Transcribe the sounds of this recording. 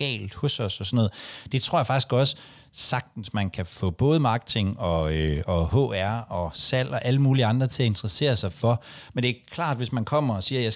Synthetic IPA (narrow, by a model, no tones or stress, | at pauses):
ɛ̰ːld̥hɔ̽sɒ̽sɒsɔnɔ̽ð̩ˠd̥e̝t͡sʰʁo̰ɐjfɑ̈ɡ̥isɡ̥ɒ̽sə | sɑ̈ɡ̥̚d̥n̩smænkʰæfɔ̰̽ːb̥ɔ̽ːð̞̩ˠəmɑ̈ːɡ̥ə̥t͡sʰe̝ŋɒ̽øɒ̽ɦɔ̰ːæɐ̰ɒ̽sæl̰ɒ̽ʔæləmuːliɑ̈nd̥ʁɐt͡sʰe̝æe̝nd̥ʁɐse̝̰ːɐsɑ̈ɪfɒ̽ | mend̥e̝æɐkʰlɑ̰̈ːd̥ʋe̝smænkʰɒ̽m̰ɐɒ̽siːɐjɑ